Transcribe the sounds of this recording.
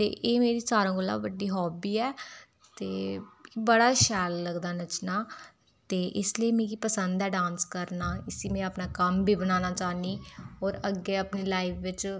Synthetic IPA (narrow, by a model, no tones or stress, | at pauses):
t̪ḛːʔeːmeːɾiːsaːɾãːɡolːa̰ːbəɖiːɦɔːbiːɛː | t̪eːbəɽaːʃɛːlːəɡd̪aːnət͡ʃnaː | t̪eːʔɪsliiːmẽːkipəsənd̪ɛːɖãːnskəɾnaːɪsiːmɛ̃ːəpnaːkəmbʱiːbənaːnaːt͡ʃaːniːɦɔːɾəɡːeːəpneːlaːipʰʋɪt͡ʃ